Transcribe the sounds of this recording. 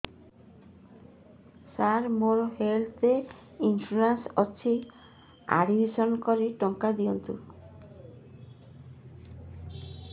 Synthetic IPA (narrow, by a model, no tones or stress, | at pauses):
saɾmoɾɦelt̪e | infɾuɾensɔt͡ɕʰi | a̰ɽibʱisɔnkɔɾiʈɔŋkad̪ijɔnt̪u